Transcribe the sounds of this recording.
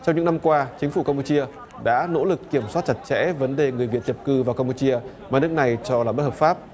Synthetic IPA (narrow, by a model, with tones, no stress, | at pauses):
t͡ɕɔ˧wŋ͡mɲɨ̰˧˥na˧mkwaː˧t͡ɕï˨˦ŋ̟fu˧˩ka˧mpu˧t͡ɕi˧ə | ɗa̰ː˧˥no̰˧˥lɨ˨˩kːi˧˩əmswa˦˥t̚t͡ɕa˧˩t̚t͡ɕɛ̰˧˥və˨˦nɗe˨˩ŋɨ˨˩əjvi˨˩ət̚t͡ɕə˨˩p̚kɨ˧vaː˨˩wkaː˧mpu˧t͡ɕi˧əmaː˨˩nɨ˦˥ək̚na˨˩jt͡ɕɔ˧laː˨˩ɓə˦˥hə˨˩faː˦˥p̚